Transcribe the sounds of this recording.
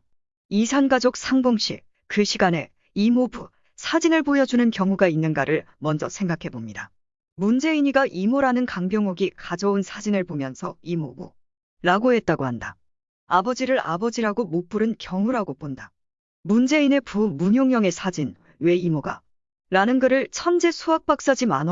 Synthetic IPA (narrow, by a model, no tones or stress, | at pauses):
isʰanɡad͡ʑok̚sʰaŋboŋɕ͈ḭ | kɯɕʰiɡane̞ | imobu | sʰad͡ʑinɯɭbojʌd͡ʑunɯnkjʌŋuɡainːɯnɡaɾɯɭ | mʌnd͡ʑʌ̰sʰe̞ŋɡakʰe̞bomɲida | mund͡ʑe̞iɲiɡaʔimoɾanɯnkaŋɡjʌŋoɡikad͡ʑʌunsʰad͡ʑinɯɭbomjʌnsʰʌimobu | ɾaɡoe̞t̚t͈aɡohanda | abʌd͡ʑiɾɯɾa̰bʌd͡ʑiɾaɡomop͈uɾɯnkjʌŋuɾaɡop͈onda | mund͡ʑe̞ine̞pumuɲjoŋjʌŋe̞sʰad͡ʑin | we̞imoɡa | ɾanɯnɡɯɾɯɭt͡ɕʰʌnd͡ʑe̞sʰuak̚p͈ak̚s͈ad͡ʑimano